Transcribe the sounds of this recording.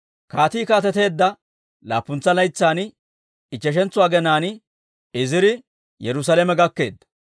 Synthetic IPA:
kaːt̪iːkaːt̪ɛt̪e̞ːd̪ːɐ | laːpːʊnt͡sːɐlɐjt͡sːaːn | ɪt͡ʃːɛʃ̬ɛnt͡sːʊwaːɡɛnaːnɪ | ɪzɪɾɪ | jɛɾʊs̬ɐlɛmɛɡɐkːe̞̰ːd̪ːɐ̥

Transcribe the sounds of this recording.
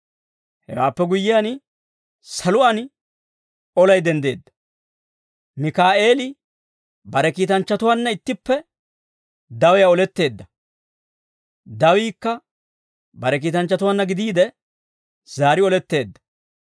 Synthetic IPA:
hɛ̰wa̰ːpːɛɡʊjːɪjan | sɐlʊʔɐn | ɔlɐjd̪ɛnd̪e̞ːd̪ːɐ̥ | mɪkaːʔe̞ːlɪ | bɐɾɛkiːt̪ɐnt͡ʃːɐt̪ʊwɐnːɐɪt̪ːɪpːɛ | d̪ɐwɛjaɔlɛt̪ːe̞ːd̪ːɐ | d̪ɐwiːkːɐ | bɐɾɛk̬iːt̪ɐnt͡ʃːɐt̪ʊwɐnːɐɡɪd̪iːd̪ɛ | z̥aːɾɪɔlɛt̪ːe̞ːd̪ːɐ̥

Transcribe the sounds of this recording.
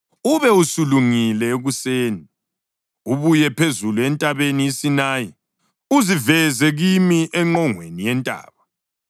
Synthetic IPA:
uβɛusuluŋilɛeɣuseːni | uβujɛpʰezuluɛntʼaβeniisinaːji | uzivɛzɛɣimiʔɛŋ͡ǃɔŋwḛnijɛntʼa̰ːβa

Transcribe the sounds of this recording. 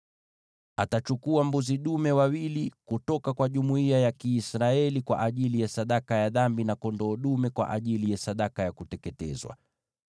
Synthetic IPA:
atat͡ʃukuambuziɗumɛwawilikutɔkakwaʄumuiajakiːsɾaɛlikwa̰ʔaʄilijasaɗakajaðambinakɔndɔːɗumɛkwa̰ʔaʄilijasaɗakajakutɛkɛtɛ̰zwa̰

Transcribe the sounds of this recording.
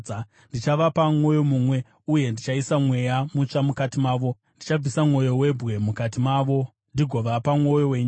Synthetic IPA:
ndit͡ʃaʋapaŋo̞jo̞mumwe̞ | uje̞ndit͡ʃaisamwe̞jamuʂamukatimaːʋo̞ | ndit͡ʃab͡visamŋo̞jo̞we̞bʱɣe̞mukat̬imaːʋo̞ | ndiɡʱo̞ʋapamo̞joweːɲ

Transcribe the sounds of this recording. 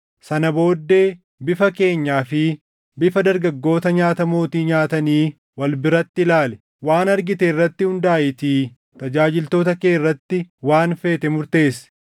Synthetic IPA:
sɐnɐbo̞ːd̪ːe̞ː | bɪfɐke̞ːɲːaːfɪ | bɪfɐd̪ɐɾɡɐɡːo̞ːt̪ɐɲaːt̪ɐmoːt̪iːɲaːt̪ɐniː | wɐlbɪɾɐt̪ːɪlaːlɛ̥ | waːnɐɾɡɪt̪ɛɪrːɐt̪ːɪhʊnd̪aːʔɪt̪iː | t̪ɐd͡ʒaːd͡ʒɪlt̪o̞ːt̪ɐke̞ːrːɐt̪ːɪwaːnfe̞ːt̪ɛmʊɾt̪e̞ːs

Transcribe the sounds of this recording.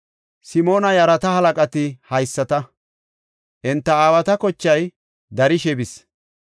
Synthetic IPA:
sɪmo̞ːnɐjɐɾɐt̪ɐhɐlɐkʼɐt̪ɪhɐjsːɐt̪ɐ | ʔɪnt̪ːɐaːwɐt̪ɐkɔt͡ʃːɐj | d̪ɐɾɪʃɛbɪs

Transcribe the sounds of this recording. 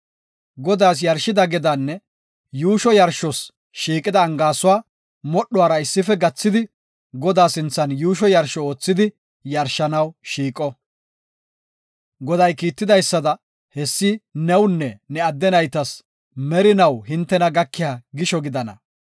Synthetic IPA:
ɡɔd̪aːs̬jɐɾʃɪd̪ɐɡɛd̪ɐnːɛ | juːʃɔjɐɾʃɔs | ʃiːkʼɪd̪ɐːŋɡaːsʊwaː | mɔɗːʊwaːɾɐɪsːɪfɛɡɐt͡sːɪd̪ɪ | ɡɔd̪aːsɪnt͡sːɐnjuːʃɔjɐɾʃɔo̞ːt͡sːɪd̪ɪ | jɐɾʃːɐnɐwʃiːkʼɔ | ɡɔd̪ɐjkiːt̪ːɪd̪ɐjsːɐd̪ɐ | hɛsːɪnɛwnːɛnɛɐd̪ːɛnɐjt̪ɐs | mɛɾɪnɐwɦɪnt̪ːɛnɐɡɐkːɪjaːɡɪʃɔɡɪd̪ɐnɐ̰

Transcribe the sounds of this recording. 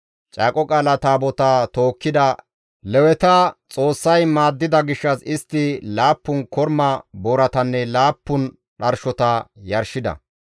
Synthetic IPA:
t͡ʃʼaːkʼɔkʼaːlɐt̪aːbɔt̪at̪o̞ːkːɪd̪ɐ | lɛwɛt̪ɐt͡sʼo̞ːsːɐjmaːd̪ːɪd̪ɐɡɪʃːɐsɪst̪ːɪlaːpːʊnkɔɾmɐboːɾɐt̪ɐnːɛlaːpːʊn | ɗɐɾʃɔt̪ɐjɐɾʃɪd̪ɐ̰

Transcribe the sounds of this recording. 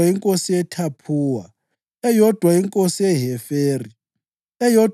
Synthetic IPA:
aiŋkʼosiɛtʰapʰuːwa̰ | ɛjɔd̥ʱwaiŋkʼosiɛɦɛfeːri | ɛjɔd

